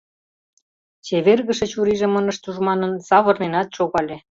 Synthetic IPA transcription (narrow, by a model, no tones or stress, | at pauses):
t͡ɕeβerɣə̆ʃĕt͡ɕuɾiʒĕmɤnə̆ʃt̪uʒmɑnə̆nsɑβɤ̆rnenɑt̪ʃoɣɑlʲĕ